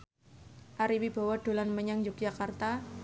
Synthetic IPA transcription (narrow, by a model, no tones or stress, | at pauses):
ʔaɾiwib̥a̤waɖ̥o̤lanməɲaŋd͡ʒʊk̚d͡ʒakart̪a